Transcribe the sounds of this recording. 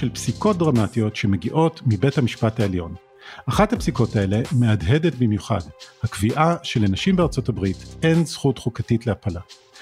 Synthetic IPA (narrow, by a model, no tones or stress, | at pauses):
elpsiko̞t̚dʁamatijo̞tʃe̞me̞ɡiʔo̞tmibe̞thamiʃpathaeljo̞n | ʔaχathapsiko̞tae̞le̞me̞adɦe̞de̞tbimjuχa̰dhakviʔaʃe̞lenaʃimbeaʁt͡so̞tabʁitʔe̞nzχutχukatitleapala